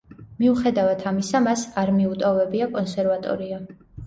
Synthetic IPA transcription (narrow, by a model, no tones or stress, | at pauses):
miuχɛd̪avat̪ʰamisamasaɾmiut̪ʼɔvɛbiakʼɔnsɛɾvat̪ʼɔ̰ɾia